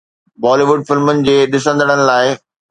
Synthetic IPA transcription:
bɔːliʋʊɖ̚fɪlmʊnɪ̆d͡ʑeːɗɪsə̃nd̪ʱəɽ̃əñɪ̆laːɪ

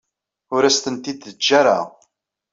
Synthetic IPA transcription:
ʊɾæst̪ənt̪id̪ðəd͡ʒːaɾa̰ʁ

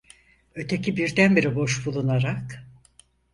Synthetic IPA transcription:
ø̞t̪ʰe̞cʰibiɾd̪ænbiɾibo̞ʃbulˠunaɾak

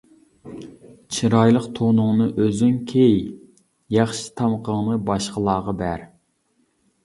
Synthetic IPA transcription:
t͡ʃʰiɾɑjlˠəqt̪ʰonʊŋnɨʔøzynkʲʰej | jɑχʃi̥t̪ʰɑmqʰəŋnɨbɑʃqəlˠɑːʁɑbæɾ

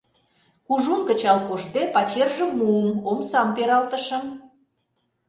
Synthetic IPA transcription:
kuʒumkə̆t͡ɕɑlkoʒd̪epɑt͡ɕerʒə̆mmuəmomsɑmpeɾɑlt̪ə̆ʃə̆m

